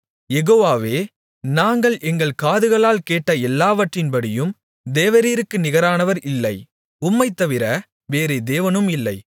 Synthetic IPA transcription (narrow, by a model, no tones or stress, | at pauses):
jɛɣoːʋaːʋeː | naːŋɡɐɭʔɛŋɡɐɭkaːðɯɣɐɭaːlkeːʈːɐɛlːaːʋɐʈrɪnbɐɽɪjɯm | d̪eːʋɐɾiːɾɯkːɯnɪɣɐɾaːnɐʋɐɾɪlːɐɪ | ʊmːɐɪt̪ːɐʋɪɾɐ | ʋeːɾɯd̪eːʋɐnɯmɪlːɐɪ